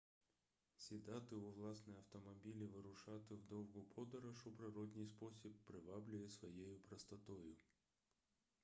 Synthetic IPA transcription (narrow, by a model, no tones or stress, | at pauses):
sʲɪd̪at̪ɨʊvlˠasnɨjɐft̪ɐmɐbʲilʲɪʋɨɾʊʂat̪ɨvd̪ɔwɡʊpʰɔd̪ɐɾɐʂʊpɾɪɾɔd̪nʲɪjspɔsʲipːɾɪvablʲʊjɛsʋɐjejʊpɾɐst̪ɐt̪ojʊ